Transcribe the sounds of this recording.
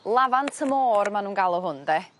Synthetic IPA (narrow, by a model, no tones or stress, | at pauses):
lˠavantʰəmɔːrmanuːnɡalˠɔɦʊndɛ